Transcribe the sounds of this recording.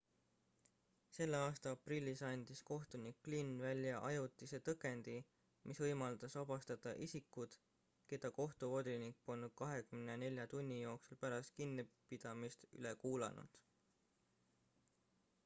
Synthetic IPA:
se̞lːeɑːst̪ɑɑprilʲːisɑnʲd̪̥isko̞ht̪unikːlinːvælʲjɑʔɑjut̪ːˑise̞ːt̪ɤke̞nd̪̥i | mʔisvɤjmɑld̪̥ɑsɑbɑst̪ɑd̪̥ɑʔisikːud̪̥ | ke̞d̪̥ɑko̞ht̪uvo̞d̪̥inikːo̞nkɑɦe̞kymnene̞lʲjɑt̪unʲːijo̞ːksulpæɾɑst̪̚kinːipid̪̥ɑmist̪y̰lekuːlɑ̰nṵd̪̥

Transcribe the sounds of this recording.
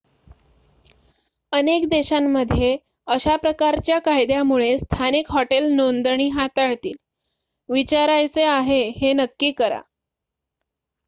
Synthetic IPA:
ənekd̪eɕamːəd̪ʱje | əɕapɾəkaɾt͡ɕjakajd̪jamuɭest̪ʰanikɦɔʈelnond̪ɳ̃iːɦat̪aɭt̪iːl | ʋit͡ɕaɾajt͡seaɦehenəkːiːkəɾa̰

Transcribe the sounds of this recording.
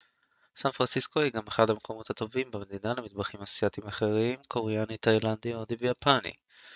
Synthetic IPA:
sanfʁansisko̞hiɡameχadhamekʰo̞mo̞t̪hat̪o̞vimbeme̞d̪inalemit̪baχimasijat̪imaχe̞ʁimkʰo̞ʁejanit̪ajland̪iod̪ivejapʰanḭ

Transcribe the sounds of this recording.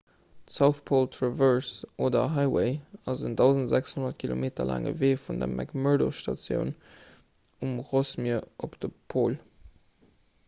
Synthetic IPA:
tsaʊθpʰoːltʰʁovɜɹsʔoːdɐɦɑɪweɪɑzəndɑʊzəntzækshonɐt̚kʰilomeːtɐlʔa̰ːŋə̰veːfundɐ̰mʔæ̰kmɜdo̰ʃtɑ̰t͡sjə̰ʊn | umʁosmiəɐʔopd̥əpʰoːl

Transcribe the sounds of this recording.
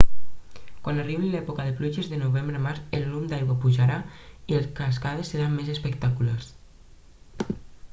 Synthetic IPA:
kwanariβelɛpokaðepluʒezðenuβembɾemaɾzellumd̪ajɣwapuʒaɾaielskaskað̞esːeɾamːezespəkt̪akulars

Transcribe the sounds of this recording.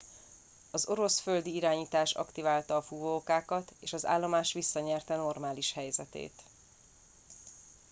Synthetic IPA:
ɒzo̞ɾo̞sfø̞ld̪iiɾaːɲiːt̪aːʃɒ̰kt̪ivaːlt̪ɒːfuvoːkaːkɒt̪eːʃɒza̰ːlːo̞maːʃʋisːɒɲɛrt̪ɛno̞rmaːliʃhɛjzɛt̪ḛːt̪

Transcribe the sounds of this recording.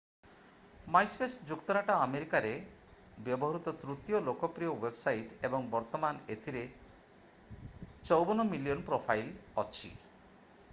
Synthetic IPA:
majspesd͡ʒukt̪ɔɾaʈaameɾikaɾe | bjɔbɔɦɔɾut̪ɔt̪ɾut̪ijolokɔpɾijowebsajʈebɔŋbɔɾt̪ɔmanet̪ʰiɾe | t͡ʃɔwbɔnɔmilijɔnpɾopʰajlɔt͡ʃʰḭ

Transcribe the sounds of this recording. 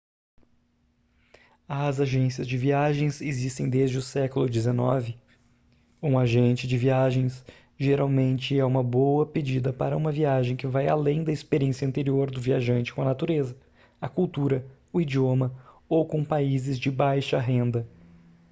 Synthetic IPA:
ɐzaʒẽsiɐzd͡ʒɪviaʒẽj̃sezist̪ẽj̃d̪ezd͡ʒɪʊsɛkʊlʊd͡ʒɪzenɔ̰vɪ | ũaʒẽnt͡ʃɪd͡ʒɪviaʒẽj̃s | ʒeɾawmẽnt͡ʃɪɛũmɐbowɐped͡ʒid̪ɐpa̰ɾɐũmɐviaʒẽj̃kɪvaja̰lẽj̃d̪ɐɪspeɾiẽsjɐ̃nt̪eɾioɾd̪ʊviaʒɐ̃nt͡ʃɪ̥kõɐnat̪uɾezɐ | ɐkuwt̪uɾɐ | ʊid͡ʒiomɐ | owkõpaizɪzd͡ʒɪbajʃɐɦẽnd̪ɐ

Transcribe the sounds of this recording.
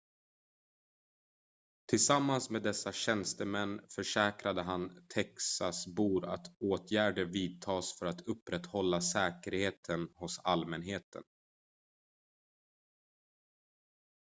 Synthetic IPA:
t̪ʰɪlsamːansmeːd̪ɛsːaɕɛnst̪əmɛnːfœʂɛːkɾad̪əɦant̪ʰɛksasbuːɾa̰t̪ʰoːt̪ʰjæːɖəviːd̪̚t̪ʰɑːsfœɾat̪ʰɵpːɾɛt̪hɔlːasɛːkəɾheːt̪ʰənhʊsalmɛnɦeːt̪ʰə̰n

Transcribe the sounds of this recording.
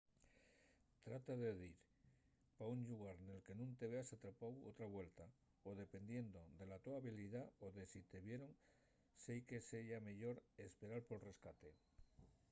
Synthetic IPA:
t̪ɾat̪aðe̞ðiɾ | pauɲʎuɣ̞aɾne̞lke̞nũnt̪eβeasat̪ɾapawo̰t̪ɾaβwe̞lt̪a | oðe̞pe̞nd̪je̞nd̪o̞ðe̞lat̪oaβiliðaoðe̞sit̪e̞βje̞ɾoŋ | sejke̞seʝame̞ʎo̞ɾe̞spe̞ɾaɾpo̞lre̞skat̪e̞

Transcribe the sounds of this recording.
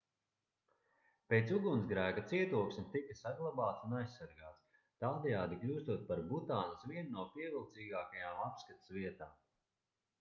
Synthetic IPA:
peːt̪suɡunzɡɾæːkat̪siɛt̪uɔksmʲit̪ikɐsaɡlˠabaːt̪sunajsːaɾɡaːt̪s | t̪aːd̪ɛjaːd̪iklʲuːst̪uɔt̪̚paɾbut̪aːnasviɛnːuɔpiɛvilˠt̪siːɡaːkajaːmapskat̪ḁsviɛt̪aːm

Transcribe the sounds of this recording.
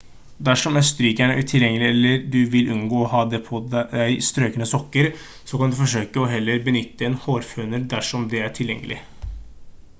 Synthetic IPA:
d̪æʂɔmæst̪ɾyːkæɳəæ̰ʈʰɪljɛŋːəlɪɛlːəɖʉʋɪlʔʉnɡoːɔɦɑːd̪ɛpʰɔæɪst̪ɾøːkənəsɔkːəɾ | sɔkʰɑnd̪ʉfɔʂøːkəɔɦɛlːəɾbənʏt̪ːəɛːnhoːɾfʉːnəld̪æʂɔmd̪ɛæʈʰɪljɛ̰ŋːə̰lʔɪ̰

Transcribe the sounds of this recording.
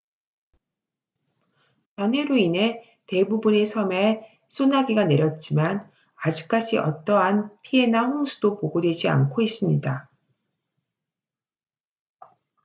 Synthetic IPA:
t͡ɕʌnɦe̞ɾoinɦe̞ | te̞bubune̞sʰʌme̞ | s͈ʰonaɡiɡane̞ɾjʌt̚t͡ɕ͈iman | ad͡ʑik̚k͈ad͡ʑiʔʌ̰t͈ʌɦanpʰie̞naɸuŋsʰu̥dopoɡodwe̞d͡ʑia̰nkʰois͈ɯmɲida

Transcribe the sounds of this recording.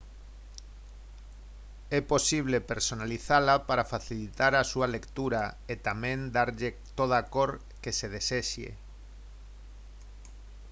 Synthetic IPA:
ɛposiβ̞lepeɾsonaliθalapaɾafaθilit̪aɾasualekt̪uɾaet̪amẽnd̪aɾʎe | t̪oð̞akoɾ | keseð̞eseʃjḛ

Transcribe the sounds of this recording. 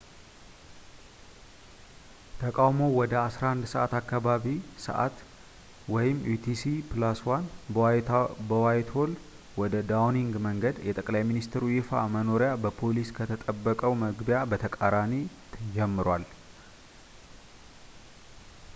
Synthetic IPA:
t̪ʰəkʼawmo̞wɔd̪əasɾahand̪səʔat̪akːaβaβisə̰ʔa̰t̪ | wɔjɪmːjut̪ʰisipɨlaswan | bəwajt̪ʰo̞l | wɔd̪əd̪awniŋɡməŋɡəd̪jɛt̪ʼəkʼlajminist̪ʰɾujifa̰məno̞ɾɪjabəpʰo̞liskʰət̪ʰət̪ʼəbːəkʼəwməɡbjabət̪ʰəkʼaɾani | t̪ʰd͡ʒɛmːɨɾwal

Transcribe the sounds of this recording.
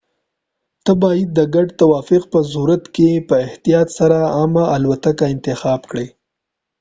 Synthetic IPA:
t̪əbɑjɪd̪̚ːəɡaɖt̪awɑfɪqpəzuɾat̪kepəɪht̪ijɑt̪saɾaɑmaːlwat̪akaɪnt̪ɪxɑːbkɽe

